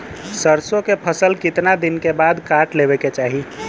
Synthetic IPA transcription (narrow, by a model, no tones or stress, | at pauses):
səɾsõkepʰəsəlkɪt̪nad̪inkebad̪kaʈlebɛket͡ʃaːɦi